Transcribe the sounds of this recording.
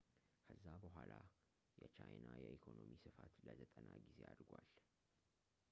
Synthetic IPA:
kʰəzːabəɦʷala | jɛt͡ʃʰajnajɛʔikʰonomisɨfat̪ləzʰət̪ʼənaɡize̞ad̪ɡʷal

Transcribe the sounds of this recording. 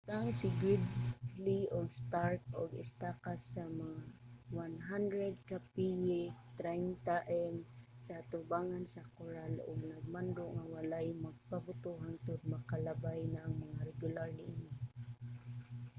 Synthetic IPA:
t̪aŋsɪɡʊd̪liʔʊɡst̪aɾt̪̚ʊɡɪ̰st̪akasamaŋawanɦand̪ɾɛd̪̚kapijɪt̪ɾajnt̪aʔɛm | saat̪ʊbaːŋansakʊɾalʔʊ̰ɡ̚naɡ̚mand̪ʊʔŋawalajmaɡ̚pabʊt̪uɦant̪ʊd̪̚makalabajnaŋmaŋaɾɛɡʊlaɾɪni

